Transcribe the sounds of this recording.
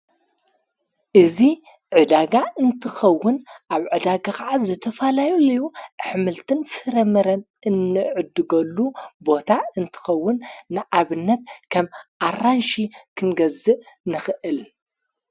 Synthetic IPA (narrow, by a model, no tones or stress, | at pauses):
ʔɨzi | ʕɨd̪aɡaɨnt̪ʰɨxɐwːʊnʔaβʕɨd̪aɡaxaʕazɨt̪ʰɐfalajulɐjuʔħmɨlt̪ʰɨnfɨɾɐmɐɾɐn | ɨnːɨʕɨd̪ɨɡɐlːubo̞t̪ʰaɨnt̪ʰɨ̥xɐwːʊnːɨʔaβɨnːɐt̪kʰɐmʔaranʃikʰɨnɡɐzɨʔ | nɨxɨʔɨl